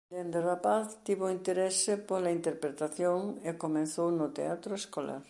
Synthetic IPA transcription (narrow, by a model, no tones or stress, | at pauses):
d̪end̪erapaθt̪iβoint̪eɾesɪpolɐint̪eɾpɾet̪aθjoŋekomẽnθownʊt̪ḛat̪ɾoeskola̰ɾ